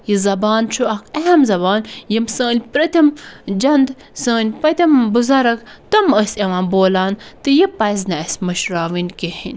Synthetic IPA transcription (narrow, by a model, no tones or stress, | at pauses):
jizɐbaːnt͡ʃʰuɐkʰeɐmzɐbaːnjimsəːnʲpɾɐt̪ʲʰɐmd͡ʒɐnd̪ | səːnʲpɐt̪ʰʲɐmbuzɐɾɐkt̪ɐməsʲɐʋãːnboːlaːnt̪ɨjipɐjznɐɐsʲmɐʃɾaːʋinʲkehinʲ